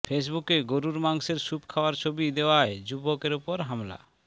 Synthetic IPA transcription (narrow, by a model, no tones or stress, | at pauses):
fʰes̬bukeɡoɾuɾmaŋseɾsupkʰaoaɾt͡ɕʰobid̪eoajd͡ʑubokeɾupoɾɦamla̰